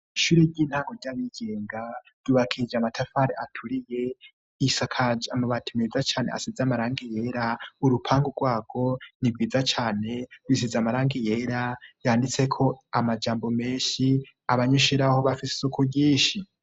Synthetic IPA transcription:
iʃuːɾeɟiːn̥haːŋɡoɾɟaβiɡ̥e̞ːŋɡaɾɟuːβakʰid͡ʒamatʰafaɾeʔatʰuɾije̞ | isakʰad͡ʒamaβatʰimezat͡ʃaːnea̰sizamaɾaːŋɡije̞ɾauɾupʰaːŋɡuɡwaːɡ̥o̞nib̚ɡiːd͡zat͡ʃaːne̞βwis̬izamaɾaːŋɡije̞ɾajaːndit͡se̞kʰo̞amad͡ʒaːmbo̞me̞ːʃi | aβaɲeʃeɾahoβafise̥sokʰoɟiːʃi

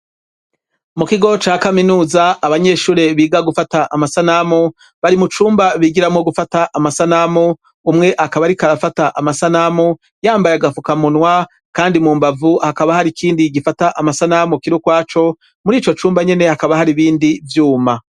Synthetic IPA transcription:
mukiɡo̞t͡ʃaːkaminuːzaːβaɲe̞ːʃuːɾe̞βiːɡaɡufataʔamasanamu | βaɾimut͡ʃuːmbaβiɡiɾamŋoɡufataʔamasanamu | umŋe̞ʔakaβaɾikaɾafataʔamasanamu | jaːmbajeaɡafukamunwa | kaːndimuːmbavuhakaβahaɾikʰiːndiɡifataʔamasanamukiɾukwaːt͡ʃo̞ | muɾiːt͡ʃo̞t͡ʃuːmbaɲe̞ne̞hakaβahaɾiβiːndivjuːma

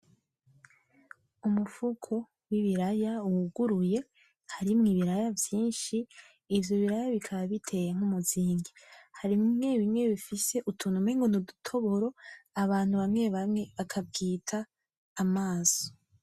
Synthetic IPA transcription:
umufukʰo̞ | wiβiɾajauuɡuɾuje̞ | haɾimŋiβiɾajavjiːnʃiː | vjo̞βiɾajaβikʰaβaβitʰe̞jaŋ̥umuziːŋɡihaɾimmŋe̞βimŋe̞βifise̞ʔutʰunumeŋɡonudutʰo̞βoɾo̞aβaːn̥huβamŋe̞βamŋe̞βakʰab̚ɡiːtʰaː | maːz̥o

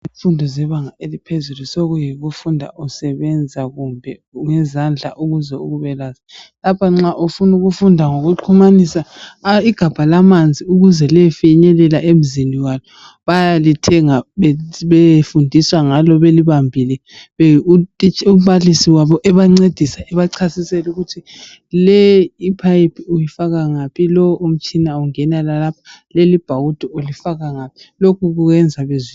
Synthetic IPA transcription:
iɱfundʱɔzɛβaŋaelipʰezulusoɣujiɣufundʱa̰ʔusɛβɛnd͡zʱaɣumbʱɛ̰ŋɛzand͡ɮʱa̰ʔuɣuzɛuɣuβɛlazalapʰaŋ͡ǁaʔufunuɣufundʱaŋoɣuǃʰumanisaiɡ̥ʱab̥ʱalamand͡zʱiuɣuzɛliɛfiɲɛlɛlaʔem̩ziniwalɔ | βajalitʰɛŋaβɛβefundʱiswaŋalɔβeliβambʱilɛβ | t͡ʃum̩βalisiwaβɔʔɛβaŋ͡ǀed̥ʱisaɛβaǀʰasisɛluɣutʰi | lɛipʰajipʰiujifaɣaŋapʰilɔwom̩t͡ʃʼinauŋɛnalalapʰḁlelib̥ʱawud̥ʱɔolifaɣaŋapʰi̥lokʰuɣuɣɛnd͡zʱaβezwiːn

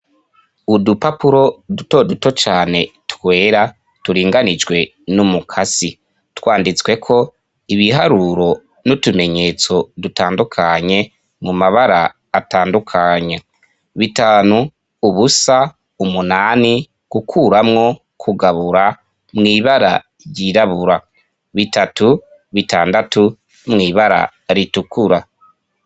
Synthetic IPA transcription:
udupapuɾo̞dutoduto̞t͡ʃaːne̞twwe̞ːɾa | tuɾiːŋɡanid͡ʒwe̞ | numukʰasi | twaːndit͡swe̞kʰo̞ | iβiɦaɾuɾo̞ | nutume̞ɲe̞t͡so̞dutaːndukʰaɲe̞ | mumaβaɾaː | taːndukʰaɲe | βitaːnuː | βusa | umunaːni | ɡ̥ukʰuɾamŋo̞ | kʰuɡaβuɾa | mŋiːβaɾa̰ | ɾjiɾaβuɾa | βitatu | βitaːndatu | mŋiːβaɾa̰ | ɾitukuɾa

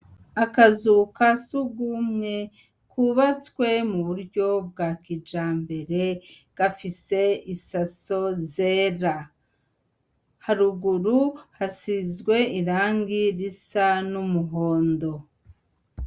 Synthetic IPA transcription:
akazukasuɡumɲe̞ | kʰuβat͡skwe̞muβuɾɟo̞b̚ɡakid͡ʒaːmbe̞ɾe̞ɡ̥afise̞isaso̞zeːɾa | haɾuɡuɾuhasizɡwe̞iɾaːŋɡiɾisanumuɦoːndo̞

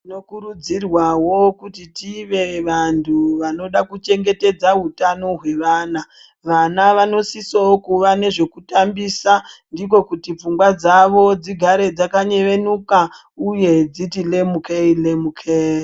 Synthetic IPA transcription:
tinokuɾud͡zirwawo̞kutitiʋe̞ʋantʰuʋano̞ɗakut͡ʃe̞ŋɡe̞te̞d͡zaɦutano̞ɦwe̞ʋaːna | ʋanaʋano̞sisookuʋane̞ʐe̞kutambisandik̬o̞kutip͡fuŋɡwad͡zaʋo̞d͡ziɡʱaɾe̞d͡zakaɲe̞ʋe̞nuka | uje̞d͡zitile̞mukʰeilemukʰe

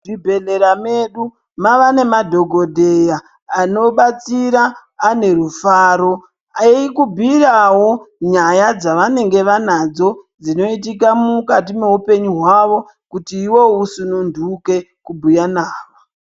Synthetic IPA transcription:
dibʱe̞le̞ɾame̞ɗu | maʋane̞madʱo̞ɡʱo̞dʱejaː | no̞ɓat͡siɾaː | ne̞rufaːɾo̞ | aikubʱirawo̞ɲajad͡zaʋane̞ŋɡe̞ʋanad͡zo̞d͡zino̞it̬ik̬amukat̬ime̞ɦupe̞ɲuɦwaʋo̞ | kutiːwo̞usunundʱuke̞ | kubʱujanaːʋo

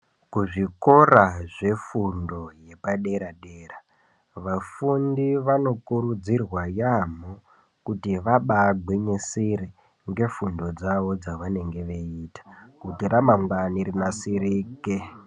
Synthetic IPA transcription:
kuʐiko̞raʐe̞fundo̞je̞paɗe̞ɾaɗeːra | ʋafundiʋano̞kuɾud͡zirwajamo | kutiʋaɓaɡ͡bwe̞ɲesiɾe | ŋɡe̞fundo̞d͡zaʋo̞d͡zaʋane̞ŋɡe̞ʋeiːtḁkutiramamɡaniɾinasiɾiːke

